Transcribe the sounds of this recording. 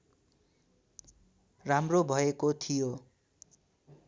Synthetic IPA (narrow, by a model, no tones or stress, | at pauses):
ramrobʱʌekot̪ʰijo